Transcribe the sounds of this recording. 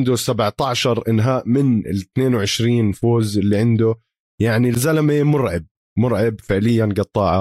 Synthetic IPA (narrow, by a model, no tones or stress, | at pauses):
nd̪ʊsabʕt̪aʕʃɑɾˤʔɪnɦaːʔmɪnɪ̰lɪt̪neːnwʕɪʃɾiːnfoːzɪlːiʕɪnd̪ʊ | jaʕnilzalamemʊɾʕɪb̚ | mʊɾʕɪbfɪʕlɪjːanɡɑt̪ˤːɑːʕa